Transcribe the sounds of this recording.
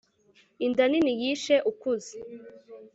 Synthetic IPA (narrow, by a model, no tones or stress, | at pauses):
indaninijiːʃeʔukuzi